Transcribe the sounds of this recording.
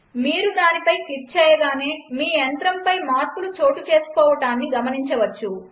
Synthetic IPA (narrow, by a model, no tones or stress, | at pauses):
miːɾud̪aːnipɐjkit͡ʃɛːjɐɡaːne̞ːmiːɐnt̪ɾɐmpɐjmaːɾpulut͡ʃo̞ːʈut͡ʃe̞ːsu̥kɔːʋɐʈaːnːiɡɐmɐniɲt͡ʃɐʋɐt͡ʃːu